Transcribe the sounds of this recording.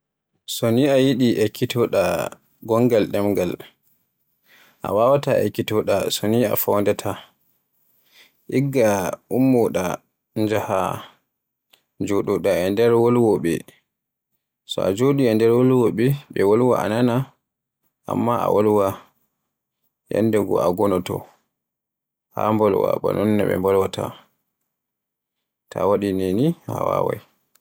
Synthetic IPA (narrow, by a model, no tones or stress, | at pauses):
soniajiɗiʔɛkitɔɗa | ɡɔŋɡalɗɛmɡal | ʔa̰wawataʔɛ̰kitɔɗasonia̰fɔwndɛtʰa | ʔiɡːaʔumːɔɗa̰ | nd͡ʒaha̰ | d͡ʒoɗuɗaɛndɛɾwolwɔɓɛ̰ | sɔa̰d͡ʒoɗiɛndɛɾwolwɔɓɛɓɛwolwaʔanana | ʔamːaa̰wʔolwa | ja̰ndɛɡɔaɡɔnɔtɔ | hambɔlwa̰ɓanɔnːɛɓɛ̰mbɔlwata | tʰawaɗineniha̰wa̰wa̰j